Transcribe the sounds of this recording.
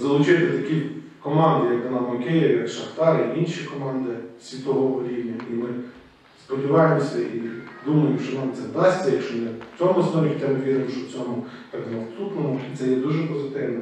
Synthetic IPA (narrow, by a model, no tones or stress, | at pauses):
zɐlˠʊt͡ʃɪjt̪ɛt̪ɐkʲi | kɔmɑnd̪ɪjɐk̪ɔnɑmɔkɪjɪʋjɐkʃɐxt̪ɑɾiinʲʃikɔmɑnd̪ɪsʲʋʲit̪ɔʋɔɦɔɾʲiwnʲɐimɪ | spɔdʲiʋɑjemɔsʲɐʔid̪umɐjɪmʃt͡ʃɔnɑmt̪sɛʋd̪ɑsʲt͡sʲɐjɐkʃt͡ʃɔnɛ̥t͡sʲɔmʊɐsnɔɾʲkʲit̪ɛmʊʋʲiɾɪmʃt͡ʃɔwt͡sʲɔmʊ | t̪ɑknɐwsut̪nɔmʊit̪sɛjɛd̪uʒɛpɔzɪt̪ɪwnɐ